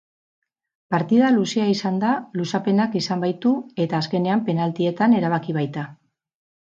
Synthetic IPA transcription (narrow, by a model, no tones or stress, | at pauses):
paɾt̪iðalusiaisand̪alusape̞nakisambajt̪ue̞t̪aːske̞ne̞ampe̞nalt̪ie̞t̪ane̞ɾaβ̞akiβ̞ajt̪a